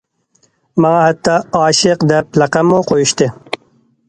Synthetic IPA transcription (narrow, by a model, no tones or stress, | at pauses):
mɑŋɑhat̪ːɑɑːʃɪqd̪ɛp̚lɑqɑmːoqʰojuʃt̪ɨ